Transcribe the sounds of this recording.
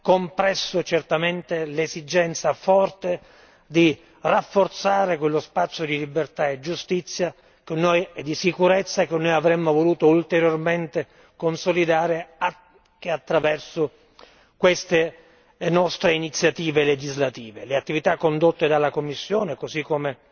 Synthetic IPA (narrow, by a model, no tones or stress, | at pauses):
kompɾɛsːʊt͡ʃert̪ament̪elezid͡ʒɛnt̪safɔrt̪e | d̪i | rafːort̪saːɾekwelːospat̪sːjod̪ilibert̪aed͡ʒːust̪it̪sːja | kenːojɛd̪ːisikuɾet̪sːaekenːojavɾemːovoluːt̪oult̪eɾjorment̪e | konsolid̪aːɾea | keat̪ːɾavɛrsʊ | kwest̪e | nɔst̪ɾeinit̪sːjat̪iːveled͡ʒizlat̪iːveleat̪ːivit̪akːond̪ot̪ːed̪alːakomːisːjoːnekozikːome